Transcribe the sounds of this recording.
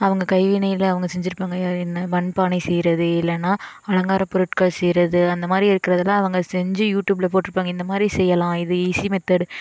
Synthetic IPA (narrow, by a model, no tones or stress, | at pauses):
ɐʋɐŋɡɐkɐɪʋiːnɐjɪlɐʋɐŋɡɐsɛɲd͡ʒɪɾɯpːaːŋɡɐjaɪnːɐbɐnpaːnɛɪsɛjɾɐðɯɪlːɐnːaː | ɐɭɐŋɡaːɾɐpɔɾɯʈkaɭsɛjɾɐðɯɐnd̪ɐmaːd̪ɾiɪɾɯkːɪɾɐðɐlãːɐʋɐŋɡɐsɛɲd͡ʒɯjuːʈjuːblɐpoːʈːɪɾɯpːaːŋɡɐɪnd̪ɐmaːd̪ɾisɛjːɐlãːɪðɯiːsimɛt̪ːɐɽɯ